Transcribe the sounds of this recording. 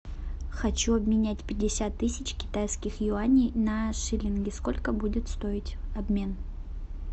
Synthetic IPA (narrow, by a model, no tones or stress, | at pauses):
xɐt͡ɕuɐbmʲɪnʲætʲpʲɪdʲːɪsʲat̪ːɨsʲɪt͡ɕkʲɪ̥t̪ajskʲɪxjʊanʲɪjnɐʂɨlʲɪnɡʲɪsko̞lʲkəbudʲɪt̪st̪o̞ɪtʲɐbmʲe̞n